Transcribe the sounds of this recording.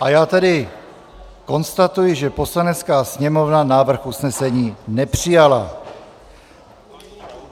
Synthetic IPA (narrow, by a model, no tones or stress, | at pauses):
ʔajaːt̪ɛdɪ | ko̞nst̪at̪ujɪʒɛpo̞slanɛt͡skaːsɲɛmo̞vnanaːvr̩xusnɛsɛɲiːnɛpr̝̥ɪjala